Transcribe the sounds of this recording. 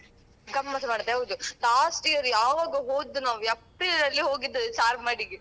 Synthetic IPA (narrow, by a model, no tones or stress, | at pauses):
ɡɐmːɐsɐmaːɽɐd̪eɦɐwd̪ulaːsʈijɐɾjaːʋaːɡɐɦoːd̪ːunaːʋuɐpɾilɾɐlːiɦoːɡid̪ːut͡ʃaːɾmaːɽiɡ